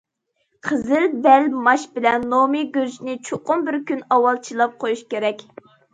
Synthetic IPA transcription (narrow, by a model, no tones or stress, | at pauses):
qʰəzɪlbɛlmɑʃbɪlɛnːomɨɡʲøɾd͡ʒnɪt͡ʃʰoqʊmbɪɾkʲynɑwɑlˠt͡ʃʰilˠɑp̚qʰojuʃkʲeɾɛkʲ